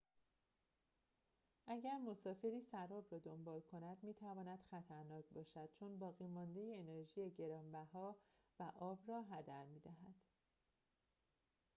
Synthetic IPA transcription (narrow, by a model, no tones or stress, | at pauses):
ʔæɟæɾmo̞sɒːfe̞ɾiːsæɾɒːbrɒːd̪o̞mbɒːlkʰo̞næd̪̥miːt̪ʰævɒːnæd̪̥xæt̪ʰæɾnɒːcʰbɒːʃæd̪̥̚t͡ʃʰonbɒːɣiːmɒːnd̪e̞jeːne̞ɾʒiːjeɟe̞ɾɒːmbæhɒː | væʔɒːbrɒːɦæd̪æɾmiːd̪æɦæd̪̥